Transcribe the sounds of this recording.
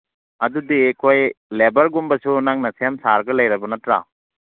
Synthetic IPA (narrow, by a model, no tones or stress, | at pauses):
ɐdudiekʰojlebɐɾɡumbɐsunaŋnɐsemsaɾɡɐlɐjɾɐbɐnɐtɾa̰